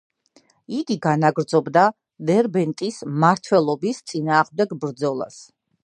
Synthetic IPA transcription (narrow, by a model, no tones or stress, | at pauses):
id̪iɡanaɡɾd̪zɔbd̪a | vɛɾbɛnt̪ʼismaɾt̪ʰwɛlˠɔbist̪sʼinaːʁmd̪ɛɡbɾd̪zɔlˠa̰s